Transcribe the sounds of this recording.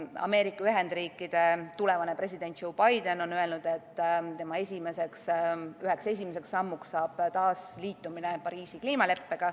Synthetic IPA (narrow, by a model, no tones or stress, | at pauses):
ɑ̰me̞ːɾikːɑyɦe̞nd̪riːkːˑid̪̥e̞t̪ule̞vɑne̞pre̞s̬ʲid̪̥e̞nt̪̚ːʃo̞wb̥ɑjd̪e̞no̞nøe̞lnud̪̥e̞t̪ːt̪e̞mɑe̞sʲime̞se̞ksyɦe̞kse̞s̬ʲimese̞ksɑmːuksːɑːb̥t̪ɑːsliːt̪ːˑumine̞pɑɾiːsikliːmɑle̞pːe̞ɡ̥ɑ